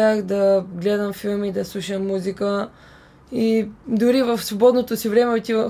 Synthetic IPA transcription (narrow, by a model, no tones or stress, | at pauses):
axd̪ɐɡlɛd̪əmfilˠmid̪ɐslˠuʃəmːuzikə | id̪ʊɾivəfsvobɔd̪not̪osivɾɛmɛot̪ivə